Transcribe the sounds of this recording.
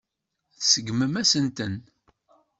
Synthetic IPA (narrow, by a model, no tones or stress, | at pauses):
θsəɡməmæsənt̪ən